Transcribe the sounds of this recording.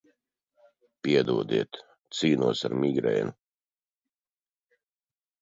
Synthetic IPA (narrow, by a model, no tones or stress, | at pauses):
pʲiɛd̪uɔd̪iɛt̪ | t̪siːnuɔsaɾmʲiɡɾɛ̰ːnu